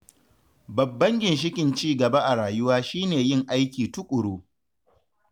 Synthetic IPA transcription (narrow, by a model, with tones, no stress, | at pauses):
bɐ˨bːɐ˦ŋɡʲɪ˨nʃ̬ɪ˦kʲɪ˨nt͡ʃiː˦ɡɐ˨ba˦ʔa˨ɾaː˨jʊ˦waː˦ʃiː˦neː˨jɪ˦ŋʔa˦jkʲiː˨tʊ˦kʷʼʊ˨ɽoː˦